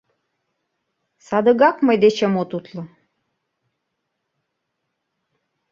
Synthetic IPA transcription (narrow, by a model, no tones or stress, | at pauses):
sɑd̪ə̆ɣɑkməjd̪et͡ɕemot̪ut̪lɤ̆